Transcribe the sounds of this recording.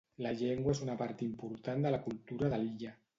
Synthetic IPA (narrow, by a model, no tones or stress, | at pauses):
laʎeŋɡwaesunapaɾt̪impuɾt̪and̪əlakult̪uɾaðaliʎa